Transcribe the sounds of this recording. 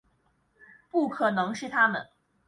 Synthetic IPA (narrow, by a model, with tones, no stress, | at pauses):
pu˥˩kʰɤ˨˩nɤ˧˥ŋʂɻ̩˥˩t̪ʰa˥mə̰˨˦n